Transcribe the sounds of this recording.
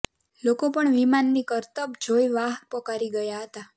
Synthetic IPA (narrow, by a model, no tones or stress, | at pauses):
lokopəɳʋimanːikəɾt̪əbd͡ʒʱojʋaɦpəkaɾiɡəjaɦət̪a